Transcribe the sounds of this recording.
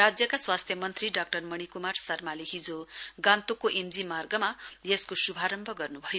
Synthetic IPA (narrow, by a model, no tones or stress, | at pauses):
rad͡zjʌkaswast̪ʰjʌmʌnt̪riɖak̚ʈʌrmʌɽ̃ikumarsʌrmaleɦid͡zoɡãnt̪okoʔemd͡zimarɡʌmajeskosubʱaɾʌmbʱʌɡʌrnubʱʌjo